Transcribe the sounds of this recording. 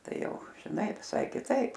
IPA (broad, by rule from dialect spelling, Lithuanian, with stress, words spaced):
ˈtɐɪ ˈjɛʊ ʒʲɪˈnɐɪ ʋʲɪˈsɐɪ kʲɪˈtɐɪp